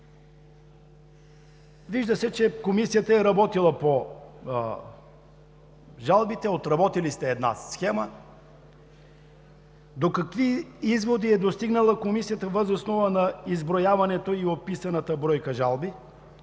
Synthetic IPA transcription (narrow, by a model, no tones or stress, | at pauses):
viʒd̪əsɛt͡ʃɛkomisijət̪əɛɾɐbɔt̪ilˠəpo | ʒalˠbit̪ɛot̪ɾɐbɔt̪ilist̪ɛːd̪na̰sxɛmə | d̪okɐkviizvod̪iɛd̪ost̪iɡnəlˠəkomisijət̪əvəzosnɔvənɐizbɾojavɐnɛt̪oiopisɐnət̪əbɾɔjkəʒalˠbi